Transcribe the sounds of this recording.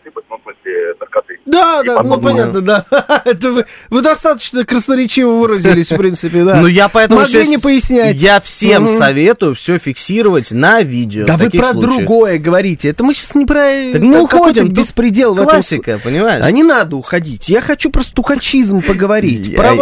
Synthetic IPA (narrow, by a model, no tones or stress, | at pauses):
ibɨt̪ʲnɐ̃smɨsʲlʲɪt̪ərkɐt̪ɨd̪ad̪anopɐnʲat̪nəd̪aɛt̪əvɨvɨd̪ɐst̪at̪ə̥t͡ɕnəkɾəsnəɾʲɪt͡ɕivəvɨɾəzʲɪlʲɪsʲfpɾʲint̪sɨpʲɪd̪anojapɐɛtməmʊɐɡ̪enʲɪpəjɪsʲnʲæjafsʲe̞mssɐvʲe̞t̪ʊjʊfsʲofʲɪksʲiɾəvətʲnɐvʲidʲɪoavɨipɾəlˠud̪ɾʊɡo̞jəɡəvɐɾʲitʲɪɛt̪əmɨɕasnʲɪpɾəəkmɨʊxxodʲɪmbʲɪspɾʲɪdʲelˠvɛlˠəamsʲːɪkəpənʲɪmajɪ̰ɐ̰nʲɪnad̪əʊxɐdʲitʲjaxɐt͡ɕupɾəst̪ʊxɐt͡ɕizmpəɡəvɐɾʲitʲɾɐ